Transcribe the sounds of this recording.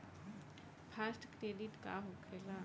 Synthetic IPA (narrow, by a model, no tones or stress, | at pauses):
pʰasʈkɾeːɖiʈka̰ɦokʰela